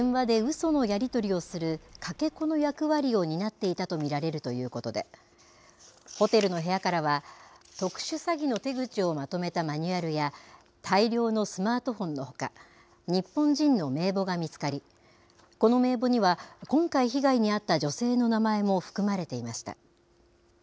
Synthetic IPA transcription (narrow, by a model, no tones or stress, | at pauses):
d̪ẽɰ̃βad̪e̞ɯ̟so̞no̞jaɾʲit̪o̞ɾʲio̞sɨɾɯ̟kʰake̞ko̞no̞jakɯ̟βaɾʲio̞ɲ̟inat̪ːe̞it̪at̪o̞mʲiɾaɾe̞ɾɯ̟t̪o̞jɯ̟ːko̞t̪o̞d̪e̞̰ | ho̞t̪e̞ɾɯ̟no̞ɦe̞jakaɾaβ̞at̪o̞kɯ̟̥ɕɨsaɡʲino̞t̪e̞ɡɯ̟t͡ɕio̞mat̪o̞me̞t̪amaɲ̟ɯaɾɯ̟ja | t̪ʰaiɾʲo̞ːno̞sɨmaːt̪o̞hõ̞nːo̞ho̞ka̰ | ɲ̟ipːõ̞ɲ̟d͡ʑĩnːo̞me̞ːbo̞ɡamʲit͡sɨ̥kaɾʲi | ko̞no̞me̞ːbo̞ɲ̟iβakõ̞ŋkaiçiɡaiɲ̟iat̪ːad͡ʑo̞se̞ːno̞namae̞mo̞ɸɯ̥kɯ̟maɾe̞t̪e̞imaɕi̥t̪a̰